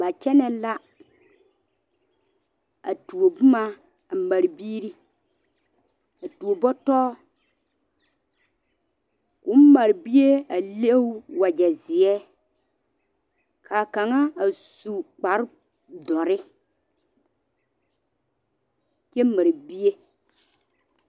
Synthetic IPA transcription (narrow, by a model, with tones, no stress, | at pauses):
ba˨t͡ʃɛ˦nɛ˨˦la˦ | a̰˨tu˨o˨bu˦ma˦ | a˨ma˨ɾbiː˦ɾi˦ | a˨tu˨o˨bɔ˦tɔː˦ | kʊ˨˦m˦ma˨ɾbi˦je˦a˨le˦wu˦wa˨d͡ʒɛ˨zɪ˨ɛ˦ | kʰa˨ka˨ŋa˦a˨su˨k͡pa˨˦ɾ | dɔ˨ɾɪ˦ | kɛ˦ma˨ɾi˨bi˦je˦